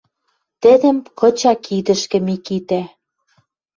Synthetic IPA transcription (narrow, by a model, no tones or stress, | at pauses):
t̪ɘ̆d̪ɘ̆mkɤ̆t͡ɕɑkʰid̪ɘ̆ʃkɘ̆mikit̪æ